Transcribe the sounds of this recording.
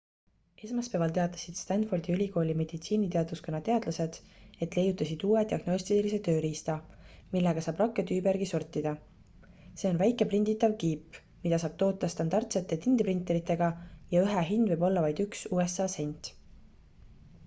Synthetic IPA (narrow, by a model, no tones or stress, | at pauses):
e̞smɑspe̞vɑlt̪e̞ɑt̪ːˑɑ̥sid̪̥st̪ɑnt̪fo̞rd̪̥iylʲiko̞ːlʲime̞d̪̥it̪siːnit̪e̞ɑd̪̥vuskonːɑt̪e̞ɑd̪luse̞d̪̥e̞t̪ˑle̞jːut̪ːˑɑsid̪̥uːed̪̥ʲiɑɡ̥no̞sʲt̪ilise̞t̪ø̞ːɾiːst̪ɑmilːeɡ̥ɑsɑːbrɑkˑːet̪yːbeɾɡ̥isort̪ʲːˑid̪̥ɑ | se̞o̞nvæjkːˑe̞prind̪̥it̪ːˑɑvkiːpː | mid̪̥ɑsɑːb̥̚t̪o̞ːt̪ːˑɑst̪ɑnd̪ɑrt̪se̞t̪ːˑe̞t̪ind̪̥iprint̪ːˑeɾit̪ːˑe̞ɡ̥ɑjɑyɦeɦind̪̥vɤ̞jbo̞lːɑvɑjd̪yksuːe̞sɑːsenʲt̪ˑ